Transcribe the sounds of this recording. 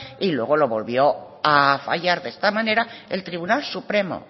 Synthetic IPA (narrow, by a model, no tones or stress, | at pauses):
ilwe̞ɣ̞o̞lo̞βo̞lβjo̞ | afa̰ʎaɾðest̪amãne̞ɾae̞lt̪ɾiβ̞unalsupɾe̞mo̰